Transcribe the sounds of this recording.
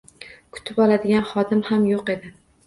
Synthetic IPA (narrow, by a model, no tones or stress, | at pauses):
kʰʊ̥t̪ʰɪpɒlad̪ɪɡʲanχɒd̪ɪmhamjoqe̞d̪ɪ